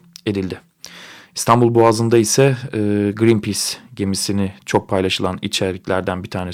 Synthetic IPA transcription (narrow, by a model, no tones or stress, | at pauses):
e̞d̪ilʲd̪ɪ | ist̪ʰanbulˠbuazɯnd̪aisɛːɡɾinpʰisɟe̞misinɪt͡ʃʰo̞k̚pʰajlˠaʃɯlˠanḭt͡ʃʰɛɾlʲiclʲæɾd̪ænbit̪ʰaːnɛ